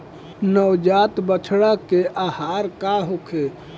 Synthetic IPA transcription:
nəwd͡ʒaːt̪bət͡ʃʰɽakeʔaːhaːɾkaɦokʰe

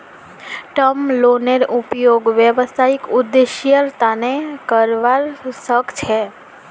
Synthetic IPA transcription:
ʈəmloneɾupjoɡʋjəʋəst̪ʰaikʊd̪eʃjəɾt̪anekəɾʋaɾsəkt͡ʃʰe

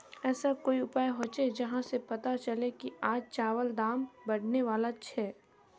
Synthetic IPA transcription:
ɛːsakoːiʊpaːjɦoːt͡ʃed͡ʒɐɦãsepɐt̪at͡ʃɐlekiaːd͡ʒt͡ʃaːʋəld̪aːmbɐɽ̤neʋaːlat͡ʃʰɛː

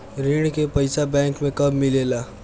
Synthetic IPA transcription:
ɾiɽkepəɪsabɛ̃ːŋkmẽkɐbmɪleːlaː

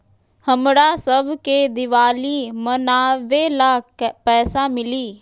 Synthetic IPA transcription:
həmɽaːsəbʱked̪ɪʋaːliːmənaːʋeːlaːkpɛːsamɪliː

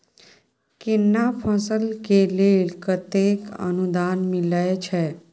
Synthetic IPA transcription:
kɪnːapʰə̃səlkeleːlkət̪ekə̰nud̪aːnmɪləet͡ʃʰɛ

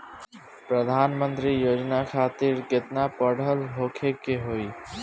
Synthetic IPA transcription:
pɾəd̪ʱaːnmə̃nt̪ɾiːjoːd͡ʒnakʰaːt̪iːɾkɪt̪naːpəɽ̤ʱəlɦoːkʰekeːɦoːiː

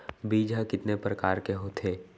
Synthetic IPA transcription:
biːd͡ʒʱakɪt̪nepɾəkaːɾkeɦot̪ʰeː

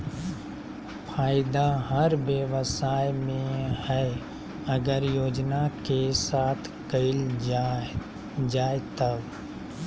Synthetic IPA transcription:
fʰaːɪd̪aɦɐɾbjəʋsaːjmẽhɛ | ɐɡəɾjoːd͡ʒnakesaːt̪ʰkəɪl | d͡ʒaːet̪ɐb

